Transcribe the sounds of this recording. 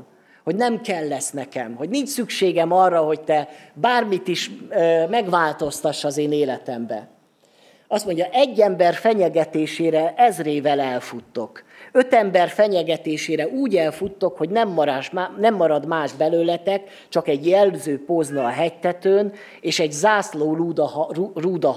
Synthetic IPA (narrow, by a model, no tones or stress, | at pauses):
ho̞ɟnɛmkɛlːɛsnɛkɛmho̞ɟniɲt͡ʃsykʃeːɡɛmɒrːɒɦo̞ct̪ɛbaːrmit̪iʃmɛɡʋaːlt̪o̞st̪ɒʃɒzeːneːlɛt̪ɛmbɛ̰ | ɒst̪mo̞ɲɟɒʔɛɟːɛmbɛrfɛɲɛɡɛt̪eːʃeːɾɛʔɛzreːvɛlɛlfut̪ːo̞k | ø̞t̪ɛmbɛrfɛɲɛɡɛt̪eːʃeːɾɛʔuːɟɛlfut̪ːo̞kho̞ɟnɛmːɒɾʃnɛmːɒɾɒd̪maːʒbɛløːlɛt̪ɛk | t͡ʃɒkɛɟjɛlzøːpoznːɦɛct̪ɛt̪øːn | eːʃɛɟzaːsloːuruːd̪ɒ